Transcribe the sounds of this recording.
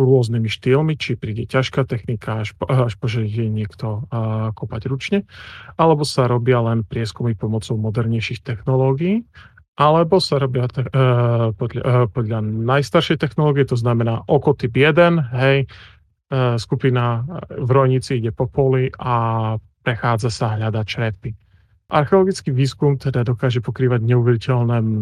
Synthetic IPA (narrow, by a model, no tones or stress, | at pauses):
ɾʊɔznimiʃt̪iːlmit͡ʃipɾiːɟɛcaʃkaːt̪ɛxnikaaʃaʃpɔʒɛɛɲɪɛkt̪ɔkɔpaɟɾut͡ʃɲɛalɛbɔsaɾɔbɪalɛnpɾɪɛskumipɔmɔt͡sɔʊmɔd̪ɛɾɲɛjʃixt̪ɛxnɔlɔːɡiiː | ʔalɛbɔsaɾɔbɪat̪ɛpɔd̪ʎa̰pɔd̪ʎanajst̪aɾʃɛjt̪ɛxnɔlɔːɡijɛt̪ɔznamɛnaːʔɔkɔt̪ibjɛd̪ɛnɦɛj | skupinavɾɔjɲit͡siiɟɛpɔpɔliʔapɾɛxaːd͡zasaɦʎad̪at͡ʃɾɛt̪̚pi | ʔa̰ɾxɛɔlɔɡit͡skiːʋiːskumt̪ɛd̪ad̪ɔkaːʒɛpɔkɾiːʋaɟɲɛuʋɛɾicɛlnɛː